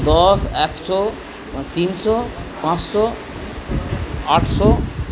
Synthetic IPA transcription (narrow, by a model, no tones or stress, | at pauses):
d̪ɔseksɔ | t̪insɔpãt͡ssɔ | aʈʰsɔ